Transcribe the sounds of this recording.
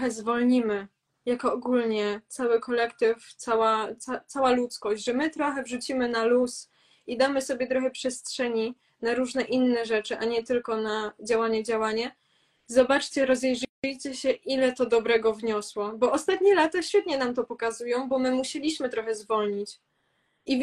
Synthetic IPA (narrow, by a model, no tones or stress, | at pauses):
xɛzvɔlɲimɘ | jakɔːɡulɲɛt̪sawɘkɔlɛkt̪ɘft̪sawat̪at̪sawalut̪skɔɕd͡ʑʲʐɛmɘt̪ɾɔxɛvʐut͡ɕimɘnalus | id̪amɘsɔbʲjɛt̪ɾɔxɛpʂɛstʂɛɲi | naɾuʐnɛʔinːɛʐɛt͡ʂɘʔaɲɛt̪ɘlkɔnad͡ʑawaɲɛd͡ʑawaɲa | zɔbat͡ʂt͡ɕɛɾɔzɛjʐjt͡ɕɛɕɛʔilɛt̪ɔd̪ɔbɾɛɡɔvɲɔswɔbɔɔst̪at̪̚ɲɛlat̪aɕfʲjɛt̪ɲɛnamt̪ɔpɔkazujɔ̃w̃bɔmɘmuɕɛlʲiɕmɘt̪ɾɔxɛzvɔlɲit͡ɕ | i